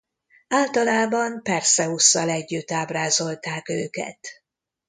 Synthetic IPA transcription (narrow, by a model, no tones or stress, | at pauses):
aːlt̪ɒlaːbɒmpɛrsɛusːɒlɛɟːyt̪ːaːbraːzo̞lt̪aːkøːkɛ̰t̪